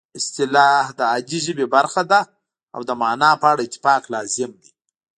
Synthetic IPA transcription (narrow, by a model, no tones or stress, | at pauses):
ɪst̪ɪlɑhd̪əad͡ʒiʒəbebaɾxad̪a | a̰wd̪əmɑnɑpəaɽaɪt̪ːɪ̥fɑqlɑzɪmd̪i